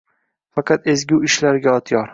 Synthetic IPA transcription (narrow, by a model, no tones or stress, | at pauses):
fɑqʰɑt̪e̞zɡʲuɪʃlaɾɡʲaɒt̪ʰjɒɾ